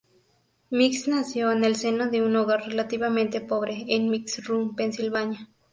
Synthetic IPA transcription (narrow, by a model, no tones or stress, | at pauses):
miksnasjoenelsenoðeunoɣaɾrelat̪iβamẽnt̪epoβɾeːnmiksrumpensilβaɲa